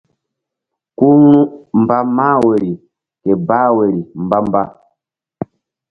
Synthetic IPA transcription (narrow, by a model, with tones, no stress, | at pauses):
ku˦nũ˦m˨ba˦maː˦we˨ɾi˨ | ke˨ba˦we˨ɾi˨m̩˨ba˦m˦ba˦